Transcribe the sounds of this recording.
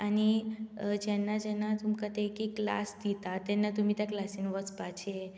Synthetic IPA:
ani | d͡ʒɛnad͡ʒɛnat̪umkət̪ekekːla̰sd̪it̪at̪ɛnːat̪umit̪aklasinʋəspat͡ʃʰe

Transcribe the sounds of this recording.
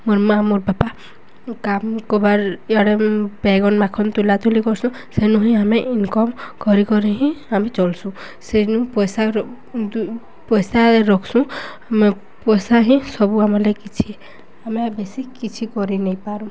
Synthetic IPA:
muɾmamoɾbapa | kamkɔbaɾaɽebɛɡɔnmakʰɔnt̪ulat̪ulikɔɾsũ | senuɦĩameʔinkɔmkɔɾikɔɾiɦĩamet͡ʃɔlsũ | senũpɔjsa | pɔjsaɾeɾɔkʰsũame | pɔjsaɦĩsɔbuamɔlekit͡ʃʰi | ameabesikit͡ʃʰikɔɾinejpaɾũ

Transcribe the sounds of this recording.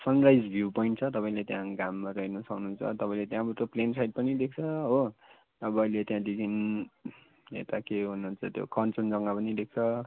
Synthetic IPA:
sʌnrajd͡zbʱjupʌiɳʈt͡sʰʌt̪ʌpaĩlet̪jãɡamːaɾʌɦinusʌknuɦunt͡sʰʌ̰t̪ʌpãĩlet̪jãbuʈoplensajd̚pʌnid̪ek̚ʰt͡sʰʌɦo | t̪ʌpaĩlet̪jãd̪ikʰin | ḛt̪akeɦunuɦːnt͡sʰʌt̪jo̰kʌnt͡sʌnd͡zʌŋɡapʌnid̪ek̚t͡sʰʌ

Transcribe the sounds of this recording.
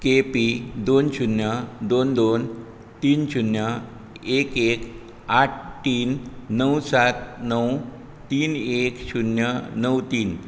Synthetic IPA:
kepid̪ont͡ɕunjəd̪ond̪on | t̪iːnt͡ɕʰunjə | ekek | aʈ̚ʰʈiːnːəwsat̪nəw | t̪iːnekɕʰunjənəwt̪iːn

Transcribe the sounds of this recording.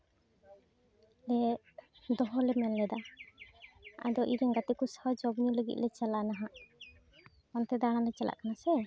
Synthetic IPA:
lɛ | d̪ɔɦɔlɛmɛlːɛd̪a | a̰d̪ɔʔiɾɛŋɡat̪ikusɔd͡ʒɔbniuləɡḭt̪̚ˀlɛt͡ʃalanaɦãʔ | mɔnt̪ɛd̪aɽ̃alɛt͡ʃalʔa̰ʔkanasɛ

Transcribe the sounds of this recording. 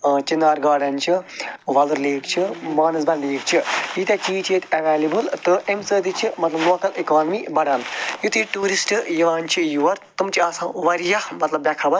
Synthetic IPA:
t͡ʃinaːɾɡaːɖɐnt͡ʃʰiʋɐluɾleːkt͡ʃʰimaːnɨsbɐnleːkt͡ʃʰijit̪ʲɐt͡ʃiːt͡ʃʰet̪ɐʋeːlibɨlt̪ɨʔemsəːd̪it͡ʃʰimɐt̪lɐbloːkɐlikaːnmibɐɽaːnjut̪iʈuːɾisʈɨjiʋaːnt͡ʃʰijuʋɐɾt̪ɨmt͡ʃʰiaːsãːʋɐɾijɐmɐt̪lɐbːjɐkʰaːbɐɾ

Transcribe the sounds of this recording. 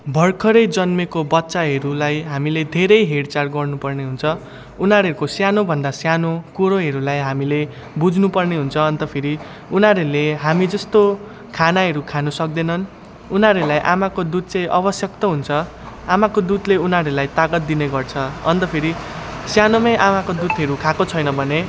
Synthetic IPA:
bʱʌrkʰʌɾʌjd͡zʌnmekobʌt̪ːsaɦʌɾulajɦamiled̪ʱeɾʌjɦeɽt͡sarɡʌrnupʌrneɦunt͡sʰʌ | unaɾeɾukosjanobʱʌnd̪asjanokuɾoɦʌɾulajɦamile | bud͡znupʌrneɦunt͡sʰʌːnt̪ʌpʰeɾi | unɦaɾeleɦamid͡zʌst̪o | kʰanaɦʌɾukʰanʌsʌk̚d̪enʌn | unaɾeɾulajʔamakod̪ud̪̚t͡sʌ̃j̃ʔʌbʌsjʌk̚t̪ʌɦunt͡sʰʌ | amakod̪ud̪leunaɾeɾulajt̪aɡʌt̪̚d̪ineɡʌrt͡sʰʌʌ̰nt̪ʌpʰeɾisjanomʌjʔamakod̪ud̪ɦʌɾukʰakot͡sʰʌjnʌbʱʌne

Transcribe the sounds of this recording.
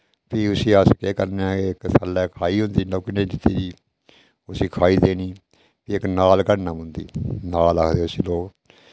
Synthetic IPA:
pʰiːʊsiːəskeːkəɾneãːeɪksəlɛːkʰaːiːɦʊ̃nd̪iːnoːkːinẽːd͡ʒ̪ɪt̪ːiːd͡ʒiː | ʊsiːkʰaːiːd̪eːniː | piːɪknaːlkəɽnaːmənd̪ḭːnaːlaːkʰd̪eːʊsiːloːk

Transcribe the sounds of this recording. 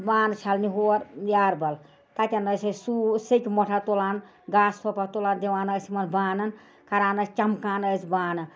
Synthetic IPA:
baːnt͡ʃʰɐlniɦoɾjaɾbɐl | t̪at̪ʲanəsəsusikʲmoʈʰat̪olaːn | ɡaːssʰopat̪olaːnd̪eʋaːnəsimɐnbaːnɐn | kɐɾaːnəst͡ʃɐmkaːnəsʰbaːnɨ

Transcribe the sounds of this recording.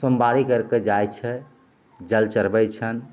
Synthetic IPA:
səmbaɾikəɾked͡ʒajt͡ʃʰɛ | d͡ʒəlt͡ʃəɾbəjt͡ʃʰən

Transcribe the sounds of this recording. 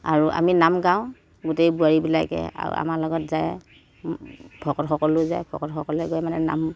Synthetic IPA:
aɹuʔa̰minamɡãʊ̃ | ɡʊtejbuaɹibilakɛ̰a̰ɹṵa̰malɔɡɔtzaj | pʰɔkɔtxɔkɔlʊzajbʰɔ̰kɔtxɔkɔlɛɡɔjmanɛna̰m

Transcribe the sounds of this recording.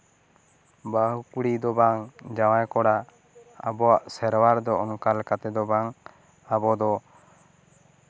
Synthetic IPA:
baɦukuɽid̪ɔbaŋd͡ʒawajkɔɽa | a̰bɔaʔsɛɾwaɾd̪ɔɔŋkalkat̪ɛd̪ɔbaŋ | abɔd̪ɔ

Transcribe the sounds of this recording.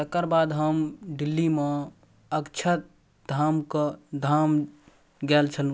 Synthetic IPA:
t̪əkːəɾbaːd̪ɦəmɖilːime | əkt͡ʃʰət̪̚ | d̪ʱamkəd̪ʱam | ɡɛlt͡ʃʰəl

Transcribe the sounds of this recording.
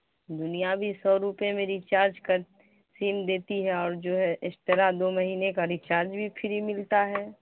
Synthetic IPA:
d̪ʊnijabʱisɔːɾuːpemẽɾit͡ʃaːɾd͡ʒkə | siːmd̪eːt̪iɦɛɔːɾd͡ʒoːɦɛʔɪst̪əɾad̪oːmɐɦiːnekaɾiːt͡ʃaːɾd͡ʒbʱipʰɪɾimɪlt̪aɦɛː

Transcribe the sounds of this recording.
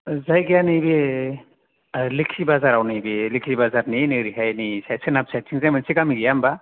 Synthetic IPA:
zajɡijanibe | likʰibazaɾawnabelikʰibazaɾninɯɾiɦajnisajsɯnap̚sajtʰiŋzajmansikamiɡijamba

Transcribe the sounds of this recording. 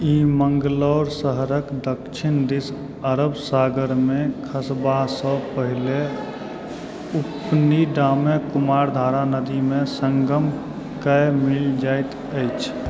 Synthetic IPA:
imə̃ŋɡlɔːɾsəɦɾəkd̪əkt͡ʃʰind̪is | əɾəbsaɡəɾmẽkʰəsbasə̃pəɦile | upniɖamekumaːɾd̪ʱaɾanəd̪imẽsə̃ŋɡəm | kəmɪld͡ʒaɪt̪ | əɪt͡ʃʰ

